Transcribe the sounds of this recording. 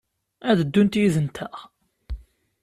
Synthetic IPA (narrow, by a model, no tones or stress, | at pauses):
æðəd̪ːunt̪jiðənt̪ʰæ